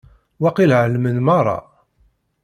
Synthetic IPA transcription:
wæqilʕəlmənmɑrˤːɑ̰

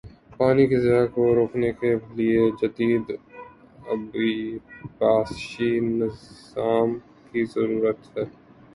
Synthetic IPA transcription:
paːnikezɪɦakoɾoːkʰnekelied͡ʒɐd̪iːd̪ | ɐbibaːsʃinɪz | aːm | kizɐɾuːɾət̪ɦɛː

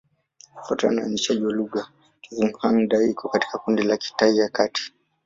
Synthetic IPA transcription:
fata̰naniʃaʄiwaluɠa | kivuŋhanɗaikʰɔkati̥kakundilaki̥taijakatʰi̥

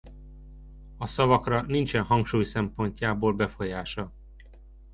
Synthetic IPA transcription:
ɒsɒvɒkrɒnint͡ʃɛnɦɒŋkʃuːjsɛmpo̞ɲcaːboːlbɛfo̞jaːʃɒ

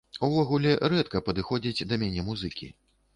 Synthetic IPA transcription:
uvɔɣulʲɛɾɛt̪kɐpɐd̪ɨxɔd͡zʲid͡zʲd̪ɐmʲanʲɛmuzɨkʲḭ

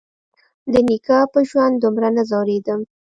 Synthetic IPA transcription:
d̪ənikɑpəʒwand̪d̪ʊmɾanazɑwɾed̪əm

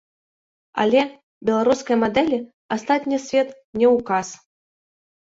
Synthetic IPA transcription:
a̰lʲɛ | bʲɛlˠaɾuskɐjmad̪ɛlʲi | ast̪at̪ʲnʲisʲvʲɛt̪ | nʲɛwkas

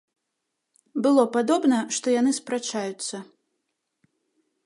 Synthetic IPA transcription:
bɨlˠɔpad̪ɔbnɐʂt̪ɔjanɨspɾat͡ʂajut̪sːɐ

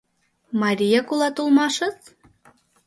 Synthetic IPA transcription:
mɑɾʲijɑkulˠɑt̪ulˠmɑʃɤ̆t͡s

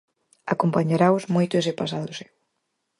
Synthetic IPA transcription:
akompaɲaɾaʊzmojt̪ʊesepasaðosɪ̥

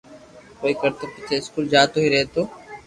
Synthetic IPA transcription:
koːiːkəɾt̪oːpɪt͡ʃʰeːɪskuːld͡ʒaːt̪oːɦiːɾəɦet̪oː

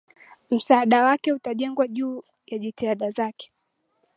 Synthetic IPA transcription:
m̩saːɗawakɛutaʄɛŋɡwaʄuː | jaʄitiaɗazakɛ̥

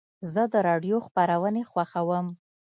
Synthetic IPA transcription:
zəd̪əɾɑɖjoxpaɾawənexwaxawəm

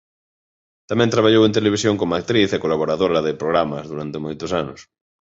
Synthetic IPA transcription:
t̪amɛ̃nt̪ɾaβ̞aʎowẽnt̪̬eleβ̞isjoŋkomak̚t̪ɾiθekolaβ̞oɾaðoɾaðepɾoɣ̞ɾamazðuɾant̪emojt̪ʊsanʊs

